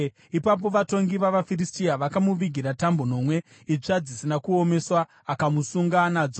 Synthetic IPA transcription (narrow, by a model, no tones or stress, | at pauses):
ipap̬o̞ʋato̞ŋɡiʋaʋafiristiaʋakamuʋiɡʱiɾatambono̞mwe̞ | it͡ʂad͡zisinakuome̞swaː | kamusuŋɡanad͡zo